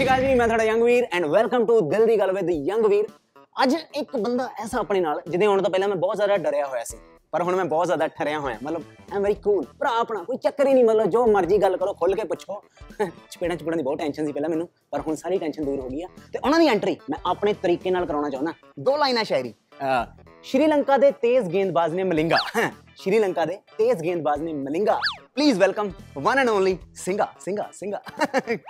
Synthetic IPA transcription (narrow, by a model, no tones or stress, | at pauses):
ʃɪkaːd͡ʒiːmɛ̃ːt̪ʰwaɽaːjəŋɡʋiːɾɛ̃ːɳɖʋɛlkəmʈuːd̪ɪld̪iːɡəlːʋed̪iːjəŋɡʋiːɾ | əd͡ʒɪkbənd̪aːʔɛːsaːəpɳeːnaːld͡ʒɪd̪ẽɦoːɽ̃t̪õːpɛːlãːmɛ̃ːbɔːt̪zjaːd̪aːɖəɾjaːɦoːjaːsḭː | pəɾɦʊɳmɛ̃ːbɔːt̪zaːd̪aːʈʰəɾjãːɦoːjã̰ːmət̪ləbɛ̃ːmʋɛːɾiːkʰuːlpəɾaːpɳaːkoːiːt͡ʃəkːəɾiːnĩːmət̪ləbd͡ʒoːməɾd͡ʒiːɡəlkəɾoːkʰʊlkeːpʊt͡ʃʰoː | t͡ʃʰʊ̥peːɽãːt͡ʃʰpeːɽãːd̪iːbɔːt̪ʈɛːnʃənsiːpɛːlaːmɛːnũː | pəɾɦʊnsaːɾiːʈɛːnʃənd̪uːɾɦoːɡiːɛːt̪eːʔʊnãːd̪iːɛ̃ːɳʈɾiːmɛ̃ːʔaːpɳeːt̪əɾiːkeːnaːlkəɾãːɽ̃aːt͡ʃãːnd̪aː | d̪oːlaːinãːʃaːɪɾḭː | ʃɾiːləŋkaːd̪eːt̪eːzɡẽːnd̪baːzneːməlɪ̃ŋɡaː | ʃɾiːləŋkaːd̪eːt̪eːzɡẽːnd̪̚baːzneːməlɪ̃ŋɡaːpliːzʋɛlkəmʋənənõːnliːsɪŋɡaːsɪ̃ŋɡa̰ːsɪ̃ŋɡaː